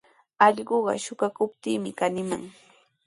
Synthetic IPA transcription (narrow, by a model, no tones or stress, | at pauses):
ɑʎɢoɢɑ̰ʃʊkakʊp̚t̪iːmɪkanɪma̰ŋ